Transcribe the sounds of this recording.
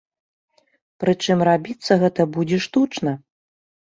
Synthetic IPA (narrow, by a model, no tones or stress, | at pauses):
pɾɨt͡ʂɨmrabʲit̪sːɐɣɛt̪ɐbud͡zʲɛʂt̪ut͡ʂnɐ